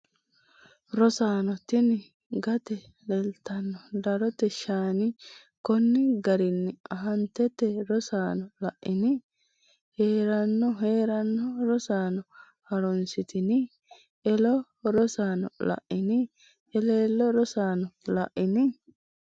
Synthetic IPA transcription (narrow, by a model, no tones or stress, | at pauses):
ɾɔsaːnɔt̪ɪnɪ | ɡɐt̪ɛ | lɛlt̪ːɐnːɔd̪ɐɾɔt̪ɛʃaːnɪ | kɔnːɪɡɐɾɪnːɪɐɦɐnt̪ːɛt̪ːɛɾɔsaːnɔlɐʔɪnɪ | heːɾɐnːɔɦe̞ːɾɐnːɔɾɔsaːnɔ | hɐɾɔnsɪt̪ɪnɪ | ɛlɔ | ɾɔsaːnɔ̰lɐ̰ʔɪnɪ | ʔɛleːlːɔɾɔsaːnɔlɐʔɪnɪ